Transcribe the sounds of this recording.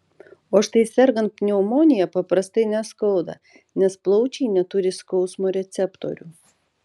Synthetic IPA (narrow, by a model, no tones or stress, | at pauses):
oːʃt̪ɐɪsʲɛɾɡɐnt̪̚pʲnʲɛɔmoːnʲɪjɛpɐpɾɐst̪ɐɪnʲɛskɐʊd̪ɐ̰ | nʲɛsplˠɔʊt͡ʃʲɛɪnʲɛt̪ʊɾʲɪskɒʊsmoːɾʲɛt̪sʲɛpt̪o̰ɾʲu